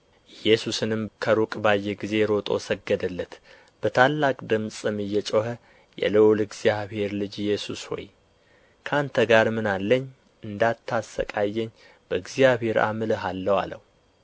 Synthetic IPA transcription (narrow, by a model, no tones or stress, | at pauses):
ʔɨjːɛsusɨnɨmkʰəɾukʼbajːɛɡize̞ɾo̞t̪ʼo̞̰səɡəd̪əlːət̪ | b̥ət̪ʰalːakʼd̪ɨmsʼɨmɨjːɛt͡ʃʼohə | jɛ̰ləwlɨɡz̥jaβhe̞ɾlɨd͡ʒɪjɛsusho̰j | kʰəant̪ʰəɡaɾmɨnalːəɲ | ʔɨnd̪at̪ʰːasə̰kʼajːɛɲː | b̥əɨɡzijaβhe̞ɾa̰mɨləɦalːəwa̰lə̰hu